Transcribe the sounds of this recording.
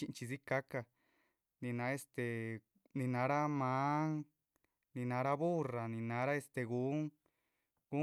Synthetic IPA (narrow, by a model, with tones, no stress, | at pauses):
i˧t͡ʃi˧si˦ka˦ka˧ | nĩ˧nã˨˧˦e˧st̪e˨ | nĩ˧nã˨˧˦ɾa˦mã˨˦ŋ | nĩ˧nã˨˧˦ɾa˦βu˦ra˨nĩ˧nã˨˦ɾa˦e˧st̪e˧ɣu˨˦ŋ | ɡu˦